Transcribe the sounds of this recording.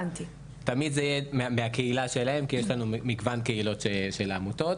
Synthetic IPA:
nt̪i | tamid̪zejememeakeilaʃelahe̞mkijeʃlanumiɡvankeilo̞t̪ʃeʃelamut̪o̞t

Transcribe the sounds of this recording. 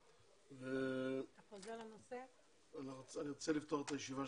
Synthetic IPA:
vet̪aχozelanose | aniʁaniʁot͡selift̪oχet̪ajeʃivaʃ

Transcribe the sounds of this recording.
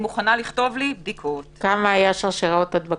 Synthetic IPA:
muχanaliχt̪o̞vlibd̪ikʰot̪kamaːjaʃaʁʃeʁaot̪ad̪ba

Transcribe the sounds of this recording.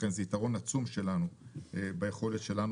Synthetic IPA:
enzeitaʁo̞nat͡sumʃe̞lanuebajeχo̞letʃe̞lan

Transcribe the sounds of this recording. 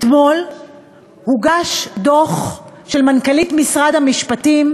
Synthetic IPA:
et̪mo̞l | huɡaʃdo̞χʃe̞lmankalitmisʁadhamiʃpatim

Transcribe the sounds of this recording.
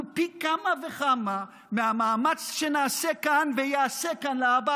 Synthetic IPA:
pikamaveχama | mehamaːmat͡sʃenaːsekanvejaasekanleaba

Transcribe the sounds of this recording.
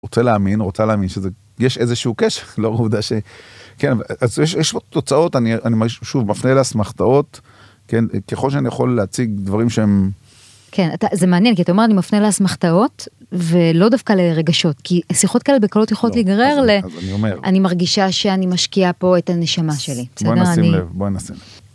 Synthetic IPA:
ʁot͡seleaminʁot͡saleaːminʃeze | jeʃezeʃeukeʃeʁloʁuvd̪aʃekenavaʔazjeʃjɛʃpotot͡sao̞tanianimɡiʃʃuvmafneleasmaχt̪ao̞t | kenkeχo̞lʃeanijaχo̞lːeat͡siɡd̪vaʁimʃeem | kʰe̞nataze̞meanjenkiataome̞ʁanimafneleasmaχtao̞tve̞lodafkaleʁe̞ɡaʃo̞tkisiχo̞t̚kaelebekalo̞tjaχolotliɡaʁeʁleniomeʁʔanimaʁɡiʃaʃe̞animaʃkiapo̞etane̞ʃamaʃe̞libeseodeʁainimlevboenasḭmlev

